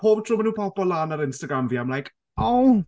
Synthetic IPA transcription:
pʰoːb̥̚tʰr̥ʊmanuːpʰɔbɔlaːnaɾɪnstaɡɾamviːamlajk | ow

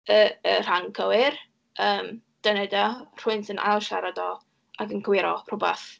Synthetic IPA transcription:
əər̥aŋkʰəwɪr | əːm | d̥ənɛdar̥ʊɨntənʔa̰jlˠʃa̰ɾadɔ | aɡənɡʰwɪɾɔrʊbaθ

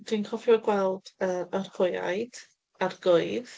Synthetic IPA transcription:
d̥inkʰɔfjɔɡwɛlˠdəərhʊja̰jd̥ | arɡʊɨð

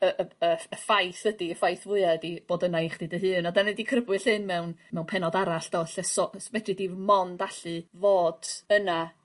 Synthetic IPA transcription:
əʔəəəfajθədiəfajθvʊɨaədib̥oːdənajχd̥iːdəɦɨːnɔdanɛdikʰrəbwɨɬhɨnmɛwnmɛwnpʰɛnɔdaɾaɬd̥ɔɬɛsɔsvɛdidimɔndaɬɨvoːd̥əna

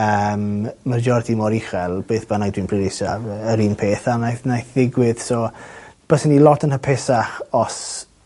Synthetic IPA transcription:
əːmmərd͡ʒɔrdimɔɾiχɛlˠb̥eːθb̥ənaɡdwinpʰrɪɾɪsa̰vəɾiːnpʰeːθanajθnajθðɪɡwɪð̥sɔb̥əsənilɔtʰənhəpʰɛsaχɔs

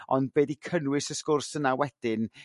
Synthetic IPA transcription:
ɔnd̚beːdikʰənwɪsəskʊrsənawɛd̥ɪn

